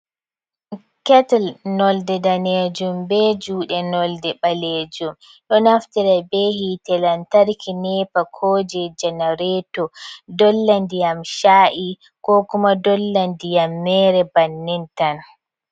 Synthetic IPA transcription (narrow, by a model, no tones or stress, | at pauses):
kɛtɛlnɔldɛdaned͡ʒumbɛd͡ʒuːɗɛnɔldɛɓaled͡ʒum | ɗɔnaftiɾɛbɛhitɛlantaɾkʰinɛːpakʰɔːd͡ʒɛd͡ʒɛnaɾɛtɔdɔlːandijamʃaːʔi | kɔkumadɔlːandijamːɛɾɛbanːintan